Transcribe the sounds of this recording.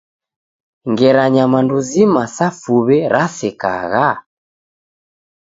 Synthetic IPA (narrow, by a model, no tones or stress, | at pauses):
ŋɡɛɾaɲamanduzimasafuβɛɾʔasɛka̰ɣa